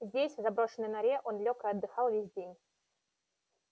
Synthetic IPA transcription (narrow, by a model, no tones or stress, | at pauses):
zʲdʲesʲvzabɾoʂɨnɨjnaɾʲɛʔonlʲokəɐd̪ːɨxɑlˠvʲesʲdʲenʲ